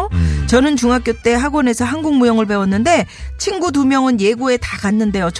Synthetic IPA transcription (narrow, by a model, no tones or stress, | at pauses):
t͡ɕʌnɯnt͡ɕuŋak͈jot͈e̞ɦaɡwone̞sʰʌɦanɡuŋmujʌŋɯɭpe̞wʌnːɯnde̞t͡ɕʰinɡudumjʌŋɯnje̞ɡue̞takanːɯnde̞jot͡ɕ